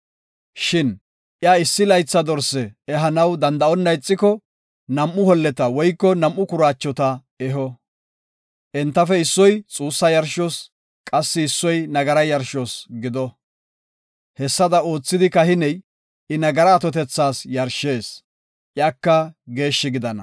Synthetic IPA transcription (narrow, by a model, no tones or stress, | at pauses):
ʃɪn | ʔjaːɪsːɪlɐjt͡sːɐd̪ɔɾsːɛɛɦɐnɐwd̪ɐnd̪ɐɔnːɐjɪt͡sʼːɪkɔ | nɐmːʊhɔlːɛt̪ɐwɔjkːɔnɐmːʊkʊɾaːt͡ʃːɔt̪ɐ | ɛɦɔ | ʔɛnt̪ːɐfɛɪsːɔjt͡sʼuːsːɐjɐɾʃɔs | kʼɐsːɪːsːɔjnɐɡɐɾɐjɐɾʃɔsɡɪd̪ɔ | hɛsːɐd̪ɐo̞ːt͡sːɪd̪ɪkɐhɪnɛj | ɪnɐɡɐɾɐːt̪ɔt̪ɛt͡sːaːsjɐɾʃeːs | ʔjaːkːɐɡe̞ːʃːɪɡɪd̪ɐnɐ̰